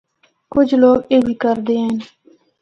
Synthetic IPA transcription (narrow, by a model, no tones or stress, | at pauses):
kʊd͡ʒloːɡeɡikəɾd̪een